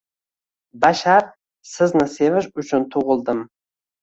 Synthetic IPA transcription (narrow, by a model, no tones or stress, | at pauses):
baʃaɾ | sɪznɪsevɪʃʊt͡ʃʰʊnt̪ʰʊʁɨlˠd̪əm